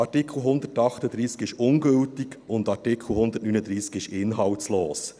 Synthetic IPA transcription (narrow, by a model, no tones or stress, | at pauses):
ɑtɪkʰl̩ɦʊnd̪ətɑχtəd̪ɾiːskɪʃʊnɡøltiɡʊnd̪ɑɾtɪkʰl̩ˠhʊnd̪ətnyːnəd̪ɾiːskɪʃɪnɦɑwtsloːs